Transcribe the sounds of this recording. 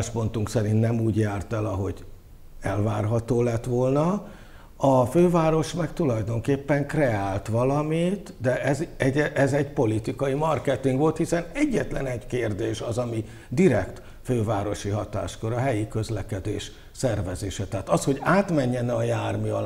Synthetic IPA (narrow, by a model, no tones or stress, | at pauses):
ʃpo̞nt̪uŋksɛɾint̪nɛmuːɟjaːrt̪ɛlɒɦo̞̰ɟ | ɛlvaːrɦɒt̪oːlɛt̪ʋo̞lnɒ | ɒføːvaːɾo̞ʃmɛkt̪ulɒjd̪o̞ŋkeːpːɛŋkrɛaːlt̪ʋɒlɒmit̪d̪ɛɛzɛɟɛʔɛzɛɟpo̞lit̪ikɒjimɒrkɛt̪iŋɡʋo̞lt̪hisɛnɛɟːɛt̪lɛnɛɟkeːrd̪eːʃɒzɒmi | d̪iɾɛkt̪ | føːvaːɾo̞ʃiɦɒt̪a̰ːʃko̞ɾɒɦɛjikø̞zlɛkɛd̪ḛːʃ | sɛrvɛzḛːʃɛt̪aːt̪ɒsho̞ɟaːt̪mɛɲːɛnɛɒjaːrmiɒ